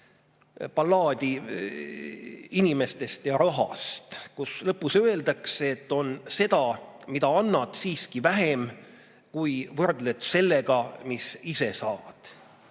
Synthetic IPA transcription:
pɑlːɑːd̪̥ʲi | inime̞st̪e̞st̪jɑɾɑɦɑ̰st̪kuslɤpːusøe̞ld̪̥ɑkseet̪ːo̞nse̞d̪̥ɑmid̪ɑɑnːɑt̪siːskivæɦem | kujvɤrd̪le̞t̪se̞lːe̞ɡ̥ɑmisise̞sɑːvɑd̪̥

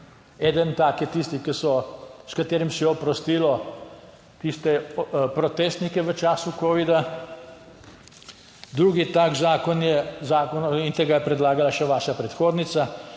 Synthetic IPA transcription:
ɛd̪ənt̪aːkjɛt̪ist̪ikɛsɔskat̪eːɾimsɛjɛɔpɾɔst̪iːlɔ | t̪ist̪ɛpɾɔt̪eːst̪nikɛʋət͡ʃaːsukoːʋid̪a | d̪ɾuːɡit̪aːkzaːkɔnjɛzaːkɔnint̪eːɡajɛpɾɛd̪laːɡalaʃɛʋaːʃapɾɛt̪xoːd̪nit̪sa

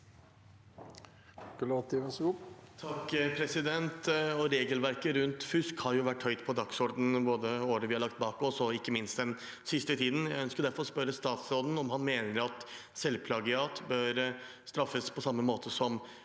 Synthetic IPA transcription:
klɑt̪iʋɛsɡuːpt̪ʰɑkːpʰɾɛsɪd̪ɛnt̪ɔɾeːɡəlʋæɾkəɾʉnt̪fʉskhɑɾjʊʋæʈːhœʏt̪pʰɔd̪ɑksɔɾɖ̪n̩boːd̪əoːɾəʋɪhɑɾɭɑk̚t̪̚bɑːkɔsɔɪkːəmɪnst̪d̪ɛn | sɪst̪ət̪ʰiːd̪n̩jæɪœnskəd̪æɾfɔɾɔspœɾəst̪ɑːt̪sɾoːd̪n̩ɔmhɑnmeːnəɾɑt̪sɛlpʰlɑɡəɑːt̪bøːɾst̪ɾɑfːəspʰɔsɑmːəmoːt̪ʰəsɔm

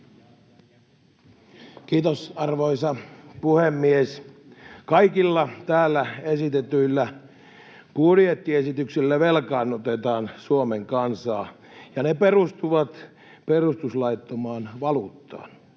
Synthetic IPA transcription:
kiːt̪osɑrʋoisɑpuhemːies | kɑikilːɑt̪æːlːæesit̪et̪yilːæ | pudjet̪ːiesit̪yksilːæʋelkɑːnot̪et̪ɑːnsuomeŋkɑnsɑː | jɑneperust̪uʋɑt̪ | perust̪uslɑit̪ːomɑːnʋɑlut̪ːɑ̰ːn

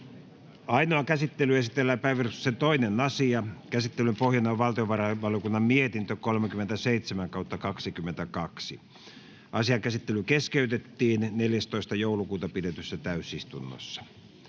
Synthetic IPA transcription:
ɑinoɑkæsit̪ːelyesit̪elːæːpæʋirusːet̪oinenɑsiɑkæsit̪ːelympohjɑnːeoʋʋɑlt̪ioʋɑrɑʋɑljokunːɑmmiet̪int̪økolmekyment̪æseit̪semæŋkɑut̪ːɑkɑksikymːˑent̪ækɑksi | ʔɑsiɑŋkæsit̪ːelykeskeyt̪et̪ːiːnneljæst̪oist̪ɑjoulukuːt̪ɑpidet̪ysːæt̪æysist̪unːo̰sːɑ̥

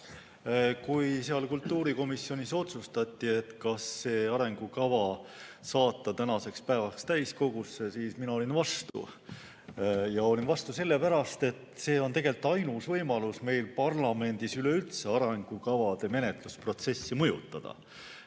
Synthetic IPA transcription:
kujseɑlkult̪ːuːɾiko̞misːjo̞nʲiso̞t̪sust̪ɑt̪ʲˑːie̞t̪kɑsːe̞ːɑɾe̞ŋɡ̥ukɑvɑsɑːt̪ːɑt̪ænɑse̞kspæevɑkst̪æjsko̞ɡ̥usːe̞siːsminɑo̞lʲinvɑst̪ṵ | jɑo̞lʲinvɑst̪use̞lːe̞pæɾɑst̪e̞t̪ːse̞ːo̞nt̪e̞ɡe̞lt̪ːˑɑjnusvɤjmɑlusme̞jlpɑrlɑme̞nd̪̥isyle̞ylt̪se̞ɑɾeŋɡ̥ukɑvɑd̪̥e̞me̞ne̞t̪luspro̞t̪se̞sːimɤjṵt̪ːˑɑd̪̥ɑ̰

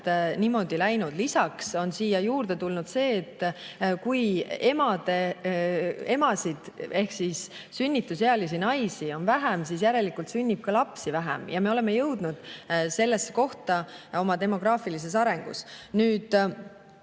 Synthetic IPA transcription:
t̪nimo̞d̪̥ilæjnud̪̥lisɑkso̞nsiːjɑjuːrd̪e̞t̪ulnud̪̥se̞ːt̪ːkuje̞mɑd̪e̞ | e̞mɑsid̪̥e̞hksis | synʲːit̪ːˑuseɑlis̬inɑjsio̞nvæɦæmsis̬jæɾe̞likːˑult̪synʲːib̥̚kɑlɑpsivæɦæ̰mjɑme̞o̞lemːejɤwd̪̥nud̪̥se̞lːe̞sːeko̞ht̪ɑo̞mɑt̪e̞mo̞ɡ̥ɾɑːfilis̬e̞sɑɾe̞ŋɡ̥ṵsnyːd̪̥

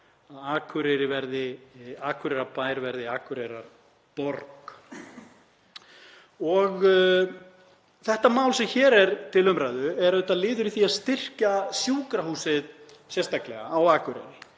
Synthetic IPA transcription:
aðaːkʰʏɾɛɾɪvɛɾðɪaːkʰʏɾɛɾapaːjɾvɛɾðɪaːkʰʏɾɛɾaɾ̥ | pɔɾk | ɔɣ | θɛht̪amaːwlsɛmçɛːɾɛɾt̪ʰɪlœmɾajðʏɛɾðʏt̪aðlɪːðʏɾiθiaðst̪ɪr̥casjuːkɾahuːsɪð | sjɛst̪aklɛɣa̰awaːkʰʏɾɛ̰ɾɪ

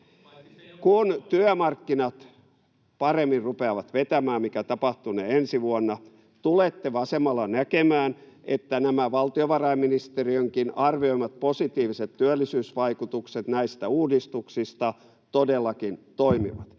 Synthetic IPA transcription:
kunt̪yæmɑrkːinɑt̪ | pɑremːirrupeɑʋɑt̪ʋet̪æmæːmmikæt̪ɑpɑht̪uneensiʋuɑnːɑ | t̪ulet̪ːeʋɑsemɑlːɑnækemæːnet̪ːænæmæʋɑlt̪ioʋɑrɑiminist̪eriøŋkinɑrʋioimɑt̪̚posit̪iːʋiset̪tyælːisyːsʋɑikut̪ukset̪næist̪æuːdist̪uksist̪ɑ | t̪odelːɑkint̪oimḭʋɑt̪

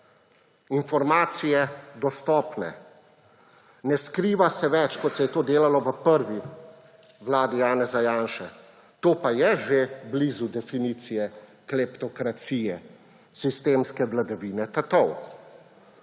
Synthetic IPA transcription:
infɔɾmaːt̪sijɛd̪ɔst̪ɔːpnɛ̰ | nɛskɾiːʋasɛʋɛt͡ʃkɔt̪sɛjɛt̪oːd̪eːlalɔʋəpəɾʋi | ʋlaːd̪ijaːnɛzajaːnʃɛ | t̪oːpajɛʒeblizud̪ɛfiniːt̪sijɛklɛpt̪ɔkɾat̪siːjɛ | sist̪eːmskɛʋlad̪aʋiːnɛt̪at̪ɔw

